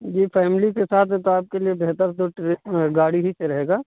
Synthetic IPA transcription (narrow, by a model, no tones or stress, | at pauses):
jepʰɛːmlikesaːt̪ʰɦɛ̃t̪oaːp̚keliebeːɦt̪əɾt̪oʈeɡaːɽiɦiseɾɐɦeːɡaː